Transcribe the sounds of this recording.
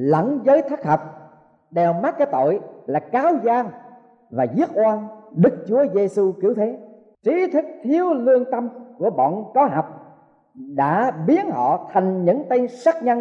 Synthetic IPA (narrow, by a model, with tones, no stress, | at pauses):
lə̰˧˩ŋzəː˨˦jt̪ʰaː˦˥k̚hə˨˩wk͡p̚ | ɗɛ˨˩wmaː˦˥t̚kaː˨˦jt̪o̰˧˨jlaː˨˩kaː˨˦wzaː˧ŋ | vaː˨˩zi˦˥ək̚ʔwaː˧nɗɨ˦˥k̚t͡ɕu˨˦əze˧su˧ki˨˧˦əwt̪ʰe˨˦ | t͡ɕi˨˦t̪ʰɨ˦˥k̚t̪ʰi˨˦əwlɨ˧əŋt̪ə˧mku˧˩əɓɔ̰˧˨nkɔ˨˦ɦa˨˩wk͡p̚ | ɗa̰ː˧˥ɓi˨˦ənhɔ̰˧˨t̪ʰa˨˩jŋ̟ɲɨ̰˧˥ŋt̪ə˧jnsa˦˥k̚ɲa˧n